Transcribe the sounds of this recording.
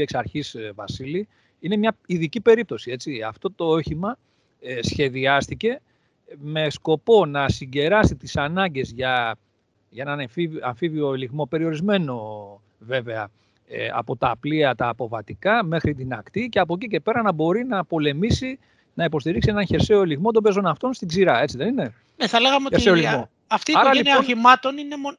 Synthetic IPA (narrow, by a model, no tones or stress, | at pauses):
eksɐɾçisvɐsili | ine̞mɲɐiðicipe̞ɾip̚t̪o̞sie̞t͡siɐft̪o̞t̪o̞oçimɐ | sçe̞ðiɐst̪ice̞ | me̞sko̞po̞nɐsiɲɟe̞ɾɐst̪it̪isɐnɐɲɟe̞zʝɐ | ʝɐenɐnfivɐɱfivio̞liɣmo̞pe̞ɾio̞ɾizme̞no̞ | ve̞ve̞ɐ | eɐ̰po̞t̪ɐːpliɐt̪ɐːpo̞vɐt̪ikɐme̞xɾit̪inɐkt̪ice̞ɐp̬o̞cice̞pe̞ɾɐnɐbo̞ɾinɐpo̞le̞misi | nɐipo̞st̪iɾiksienɐnçe̞ɾse̞o̞liɣmo̞td̪o̞be̞zo̞nɐft̪o̞nst̪iɡziɾɐe̞t͡siðe̞nine̞ | neθɐleɣɐmeoeeoliɣmo | ɐft̪iɐɾɐlineoimɐt̪o̞ninemo